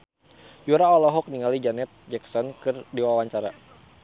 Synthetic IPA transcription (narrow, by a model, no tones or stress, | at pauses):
juɾaɔlɔɦɔk̚niŋalid͡ʒanɛt̪̚d͡ʒɛksɔnkɨrdiwawaɲt͡ʃaɾa